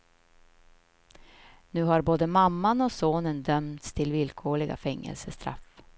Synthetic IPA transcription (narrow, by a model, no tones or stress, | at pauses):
nʉ̟ːhaɾboːd̪əmamːanɔsoːnənd̪œmt̪st̪ʰɪlvɪlkʰoːɭɪɡa̰fɛŋːə̰lsəst̪ɾa̰f